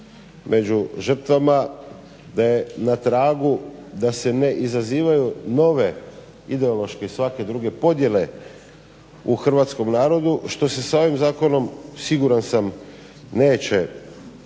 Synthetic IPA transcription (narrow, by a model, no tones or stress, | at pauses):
mʔe̞d͡ʑuʒr̩t̪ʋama | d̪aje̞nat̪ɾaːɡud̪ase̞ne̞ʔizaziːʋajuno̞ʋe | id̪e̞olˠo̞ʃke̞isʋake̞d̪ɾuɡe̞po̞d̪je̞le̞ | uxr̩ʋaːt̪sko̞mnaːɾo̞d̪uʃt̪o̞se̞sao̞ʋimzaːko̞no̞msiɡuɾansam | ne̞ːt͡ɕe̞